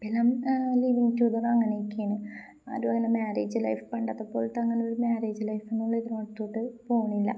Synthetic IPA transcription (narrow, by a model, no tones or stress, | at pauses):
pelaːmliːʋiŋtuːd̪ɐrɐŋːɐnekʲːijɐnɨ | a̰ːɾuʋɐɣɐnɐmaːɾḛːd͡ʑɨlɐ̰jfpɐɳɖɐt̪ːɐpːo̞ːlt̪ːɐŋːɐneo̞ɾumaːɾeːd͡ʑɨlɐjfenːuɭːɐiðroɽɐt̪ːo̞ːʈːɨpo̞ːuɳːilːɐ̰